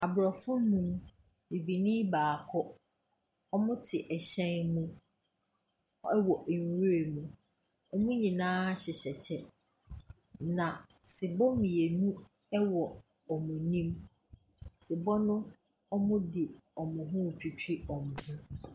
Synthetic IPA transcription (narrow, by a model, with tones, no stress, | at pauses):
a˨bɾɔ˨fʊ˦nũ˦m | mi˨bi˨nĩ˦baː˨kʰɔ˦ | ɔ˦mʊ̃˦tʰɪ˨ʔɛ˨ɕɛ̃˦nmũ˦ | ɔ˦ɛ˦wɔ˨ʔŋ˨˦wɾe˨mũ˨ | ɔ˦mʊ̃˦ɲĩ˨nãː˦ɕɪ˨ɕɛ˨t͡ɕʰɛ˦ | nã˨ | sɪ˨bɔ˦mĩ˨e˨nũ˦ | ɛ˦wɔ˨ | ɔ˨mũ˨nĩ˦m | sɪ˨bɔ˦nʊ̃˦ | ɔ˦mʊ̃˦dɪ˨ɔ˨mʊ̃˨ɦʊ̃˦˨t͡ɕᶣʰu˨t͡ɕᶣi˦ɔ̃˨m˨hũ˦